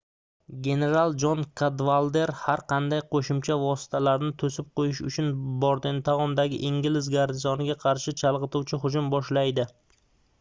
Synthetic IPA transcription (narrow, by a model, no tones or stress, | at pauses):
ɡʲe̞ne̞ɾalˠd͡ʒɒnkʰad̪valˠd̪e̞ɾhaɾqʰɑnd̪ajqʰoʃʊmt͡ʃʰavɒsɪ̥t̪ʰalaɾnɪt̪ʰɵsɪp̚qʰojɪʃʊ̰t͡ʃʰʊnbɒɾd̪ɪnt̪ʰaʁɒnd̪aɡʲɪ̰ʔɪŋɡʲɪlɪzɡaɾd̪ɪzɒnɪɡʲaqʰɑɾʃɪt͡ʃʰalˠʁɨt̪uwt͡ʃʰɪɦʊd͡ʒʊmbɒʃlajd̪ɪ